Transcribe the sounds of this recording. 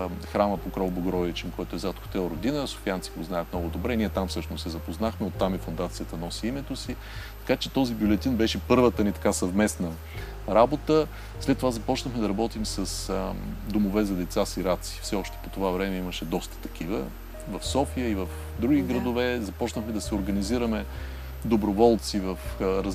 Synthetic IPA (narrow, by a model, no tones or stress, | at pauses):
xɾaməpokɾɔlˠboɡɾɔvit͡ʃɛmkɔjt̪ʊɛzat̪xo̥t̪ɛlˠɾod̪inəso̥fiant̪si̥koznajət̪mnɔɡʊd̪obɾɛniɛt̪amfsɤʃnosɛzɐpoznaxmɛot̪ːamifond̪at̪sijət̪ənɔsiimɛt̪osi | t̪ɐ̥kat͡ʃɛt̪ɔzibjulɛt̪inbɛʃɛpɤɾvət̪ənit̪ɐ̥kasɐvmɛsnə | ɾabot̪ə | slɛt̪ːovazɐpɔt͡ʃnəxmɛd̪ɐɾɐbɔt̪imsəsd̪omovɛzɐd̪ɛt̪sasiɾat̪si̥fsɛɔʃt̪ɛ̥pot̪ovavɾɛmɛiməʃɛd̪ɔst̪ə̥t̪ɐ̥kivə̰ | vɐfsɔfijəivəf | d̪ɾuɡʲiɡɾɐd̪ovɛzɐpɔt͡ʃnəxmɛd̪ɐsɛoɾɡəniziɾəmɛ | d̪obɾovɔlˠt̪sivəfɾɐ